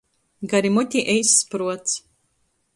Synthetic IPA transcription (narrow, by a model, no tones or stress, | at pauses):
ɡaɾimɔt̪ʲiʔɛjsːpɾuɔt̪s